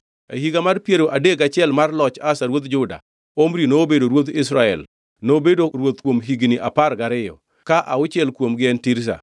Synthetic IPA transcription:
ḛhiɡamarpjeɾoʔadeɡat͡ʃɪɛlmarlɔt͡ʃasaɾwot̪d͡ʒʊda̰ | omɾinobedoɾwot̪ɪsɾaɛ̰l | nobedoɾwot̪kwomɦiɡnɪʔapaɾɡaɾɪjɔ̰ | kaʔaʊt͡ʃɛlkwomɡɪɛntiɾs̬a̰

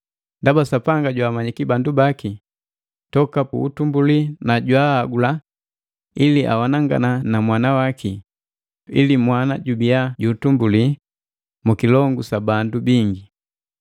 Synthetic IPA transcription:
ndabasapaŋɡaɟwaːmaɲikibandubaki | tɔkapṵːtumbulinaɟwahːɡula | iliʔa̰wanaŋɡa̰nanamwanawaki | ḭlimwanaɟubiaɟuːtumbuli | mukilɔŋɡusabandubiŋɡi

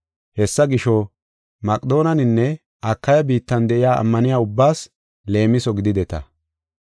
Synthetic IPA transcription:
hɛsːɐɡɪʃɔ | mɐkʼd̪o̞ːnɐnɪnːɛ | ʔɐkːɐjɐbiːt̪ːɐnd̪ɛʔɪjaːʔɐ̰mːɐnɪjaːʊbːaːs | le̞ːmɪsɔɡɪd̪ɪd̪ɛt̪ɐ̰

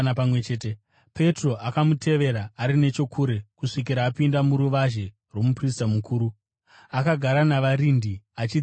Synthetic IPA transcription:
pamwet͡ʃeːte | pʰe̞tro̞ʔakamutʰe̞ʋe̞ɾaːɾine̞t͡ʃo̞kʰuɾe̞kuʂik̬iɾaːpindamuɾuʋaʒe̞ | rwo̞mupristamukʰuːɾu | akaɡʱaɾanaʋaɾindiat͡ʃi

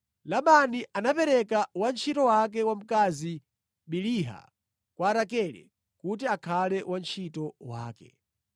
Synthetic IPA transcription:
laɓaniʔanapɛɾɛkawant͡ʃʰitɔwak̬ɛwam̩kazi | ɓiliɦa̰ | kwaɾakɛlɛ̰ | kut̬iakʰalɛwʔant͡ʃʰitɔwa̰ːkɛ̰

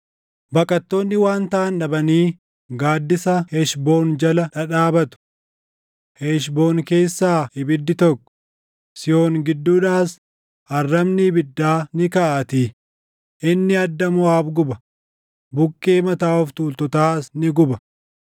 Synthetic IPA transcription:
bɐkʼɐt̪ːo̞ːnːɪwaːnt̪ɐʔɐnᶑɐbɐniː | ɡaːd̪ːɪsɐheʃbo̞ːnd͡ʒɐlɐᶑɐᶑaːbɐt̪ʊ̥ | heːʃbo̞ːŋke̞ːsːaːhɪbɪd̪ːɪt̪ɔkːɔ̥ | sɪjo̞ːŋɡɪd̪ːuːᶑaːs | ɐrːɐmnɪbɪd̪ːaːnɪkɐʔɐt̪i | ʔɪnːɪɐd̪ːɐmʊaːbɡʊbɐ | bʊkʼːeːmɐt̪aːɔft̪uːlt̪ɔt̪aaːsnɪɡʊbɐ̥

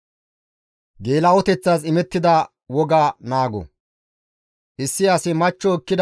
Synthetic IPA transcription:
ɡe̞ːlɐɔt̪ɛt͡sːaːsɪmɛt̪ːɪd̪ɐ | wɔɡaːnaːɡɔ̰ | ʔɪsːɪɐsɪmɐt͡ʃːɔːkːɪd̪

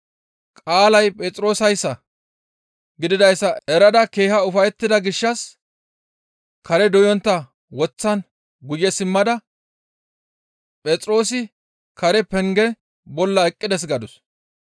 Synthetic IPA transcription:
kʼaːlɐjpʼɛːt͡sʼɾo̞ːsɐjsːɐ | ɡɪd̪ɪd̪ɐjsːɐɛɾɐd̪ɐke̞ːhɐʊfɐjɛt̪ːɪd̪ɐɡɪʃːɐs | kɐɾɛd̪ɔjɔnt̪ːɐ | wɔt͡sːɐn | ɡʊjːɛsɪmːɐd̪ɐ | pʼɛt͡sʼɾo̞ːsɪ | kɐɾɛpɛŋɡɛ | bɔlːɐɛkʼːɪd̪ɛs̬ɡɐd̪ʊs

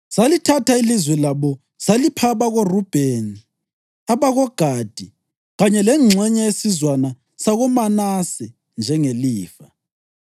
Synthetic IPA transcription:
salitʰatʰailizwɛlaβɔ | salipʰaβaɣorub̥ʱeni | aβaɣɔɡ̥ʱad̥ʱi | ɣaɲɛlɛŋ͡ǁʱɛɲɛjesizwana | saɣɔmanasɛ | nd͡ʒʱɛŋeliːfa

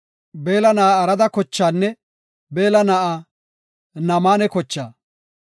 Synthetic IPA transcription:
be̞ːlɐnɐʔɐɾɐd̪ɐkɔt͡ʃːaːnːɛ | be̞ːlɐnɐʔa | nɐmaːnɛkɔt͡ʃːaː

